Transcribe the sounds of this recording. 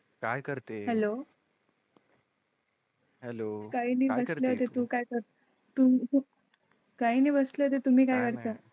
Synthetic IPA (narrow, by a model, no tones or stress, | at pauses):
kajkəɾt̪eɦɛlo | ɦɛlokainiːbəsləːt̪et̪ũːkajkəɾt̪ | t̪u | kainiːbəsləːt̪̬et̪um̤iːkajkəɾt̪a